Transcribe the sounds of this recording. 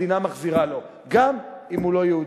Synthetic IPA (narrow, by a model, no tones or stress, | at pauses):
inamaχziʁalo̞ | ɡamimulo̞jeud